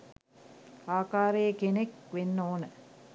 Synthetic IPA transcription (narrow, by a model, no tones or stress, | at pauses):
aːkaːɾəjəkenekʋenːoːnə